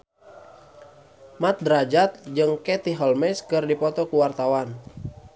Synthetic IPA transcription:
mat̪̚dɾad͡ʒat̪̚d͡ʒɨŋkɛt̪iɦɔlmɛskɨrdipɔt̪ɔkuwart̪awan

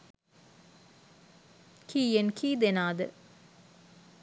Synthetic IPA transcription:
kʰiːjenkʰiːd̪enaːd̪ə

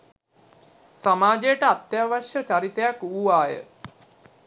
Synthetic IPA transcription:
samaːd͡ʒejəʈəat̪ːjaʋaʃjət͡ʃaɾit̪ejakuːʋaːjə̰

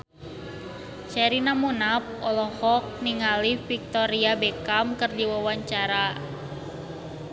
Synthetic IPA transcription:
t͡ʃɛɾinamunap̚ɔlɔhɔk̚niŋalifik̚t̪ɔɾiabɛkamkərdiwawaɲt͡ʃaɾa

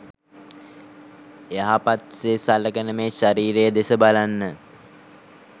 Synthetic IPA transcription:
eaɦapat̪sesaləkənəmeːʃaɾiːɾejəd̪esəbalanːə

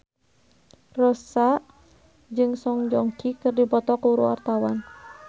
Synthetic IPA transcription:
rɔsaʔ | d͡ʒɨŋsɔŋd͡ʒɔŋkikɨrdibɔt̪ɔkuuɾṵɔ̰rt̪awan

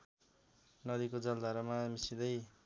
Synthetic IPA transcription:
nʌd̪ikod͡zʌld̪ʱaɾʌmamisid̪ʌj

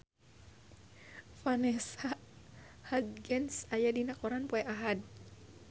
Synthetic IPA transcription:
fanɛsa | had̪̚ɡɛnsajadinakɔɾanpɔɛʔaɦad̚

